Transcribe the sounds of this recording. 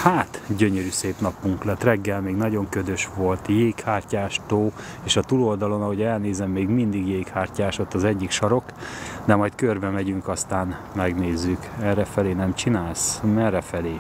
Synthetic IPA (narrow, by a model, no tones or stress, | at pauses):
haːt̪ɟøɲøɾyːseːpnɒpːuŋklɛt̪rɛɡːɛlmeːɡnɒɟo̞ŋkød̪øʃʋo̞lt̪jeːkhaːrcaːʃt̪oː | eːʃɒt̪uːlo̞ld̪ɒlo̞nɒɦo̞ɟɛlneːzɛmːeːɡmind̪iɡjeːkhaːrcaːʃo̞t̪ːɒzɛɟːikʃɒɾo̞kd̪ɛmɒjt̪kørbɛmɛɟyŋkɒst̪aːn | mɛɡneːzːykɛnrɛfɛleːnɛmt͡ʃinaːlsmɛrɛfɛleː